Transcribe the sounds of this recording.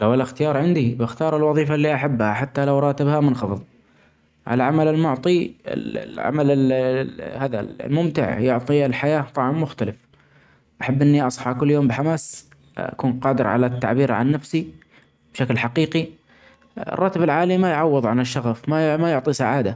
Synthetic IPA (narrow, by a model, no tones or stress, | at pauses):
lawʔalːaxt̪ɪjɑːɾˤʕɪnd̪ibɪxt̪ɑːɾˤɪlwɑðˤiːfalːiːʔaħabːhaħat̪ːalawɾˤɑːt̪ɪbhamʊnxɑfɨðˤ | ʕa̰laʕamalɪlmʊʕt̪ˤiɪ̰lʕa̰malɪ | haːða̰l̰lmʊmt̪ɪ̰ʕjʊʕt̪ˤilħajaːt̪ˤɑʕɑmːʊxt̪alɪf | ʔaħabːʔɪnːiʔɑsˤħɑkʊlːjoːmbɪħamaːs | ʔa̰kuːnqɑːd̪ɪɾʕa̰lat̪ːa̰ʕbiːɾʕa̰nːafsi | b̥ʃaklħaqiːqi | ɪ̰rˤːɑːt̪ɪbɪlʕaːlimajʕɑwːɨðˤʕanɪʃːɑɣafmamajʊʕt̪ˤisaʕaːd̪a